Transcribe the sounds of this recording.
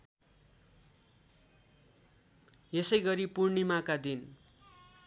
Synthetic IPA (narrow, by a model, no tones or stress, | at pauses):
jesʌjɡʌɾipurnimakad̪in